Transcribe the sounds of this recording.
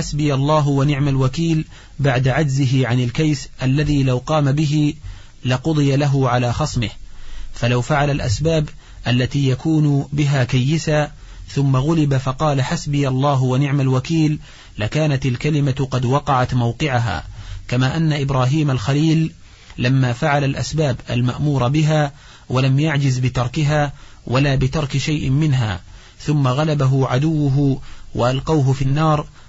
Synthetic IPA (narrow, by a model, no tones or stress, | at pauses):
ħasbɪjalˤːɑːɦwanɪʕmalwakiːl | baʕd̪aʕad͡ʒzɪɦɪʕanɪlkajsʔalːaðiːlawqɑːmabɪɦɪ | lɪqʊd̪ˤɨjalaɦʊʕalaːxɑsˤmɪhfalawfaʕalalʔa̰sbaːb | ʔalːat̪iːjakuːnʊbɪɦaːkajːɪsaː | θʊmːaɣʊlɪbafɑqɑːlaħasbɪjalˤːɑːɦwanɪʕmalwakiːlː | ɪkaːnat̪alkalɪmaqɑd̪wɑqɑʕat̪mawqɪʕaɦa̰ːkamaːʔanːaʔɪbɾˤaːɦiːmalxaliːl | lamːaːfaʕalalʔa̰sbaːbʔa̰lma̰ʔmuːɾˤɑbɪɦaː | walamjaʕd͡ʒɪzbɪt̪ɑɾˤkɪɦaːwʔalaːbɪt̪ɑɾˤkɪʃajʔɪmɪnɦa̰ː | θʊmːaɣalabaɦʊʕad̪ʊwːʊɦʊwʔaʔalqɑwɦʊfinːɑːɾˤ